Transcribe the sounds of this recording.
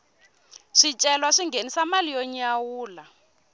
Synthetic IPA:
ʂit͡ʃʼɛlwaʂiŋɡenisamalijɔɲawuːla

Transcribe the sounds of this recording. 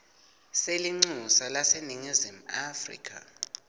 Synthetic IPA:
seliŋ͡ǀusalaseniŋizim̩afrḭkʰʼa̰

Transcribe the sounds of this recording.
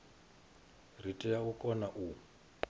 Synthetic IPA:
ritʼɛjaukʼɔnaʔu

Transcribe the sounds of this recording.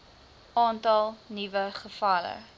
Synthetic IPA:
ʔɑːntɐlˠnivəχəfɐlə̰

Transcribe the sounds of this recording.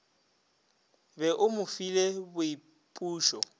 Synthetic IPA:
bɛʔʊmʊfilebʊi | pʼuːʃɔ

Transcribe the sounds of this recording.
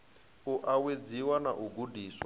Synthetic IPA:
uʔawed͡ziwanaʔuɡudiːswa

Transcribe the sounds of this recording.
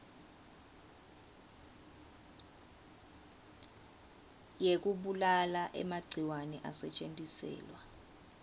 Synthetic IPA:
jek̬uɓulalaʔɛ̰maɡ͡ǀʱiwanɛʔa̰sɛt͡ʃʼentʼisɛ̰ːlwa

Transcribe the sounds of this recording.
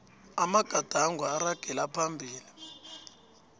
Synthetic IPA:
amaɡ̥ʱad̥ʱaŋɡʱwaːraɡ̥ʱɛlapʰambʱiːli

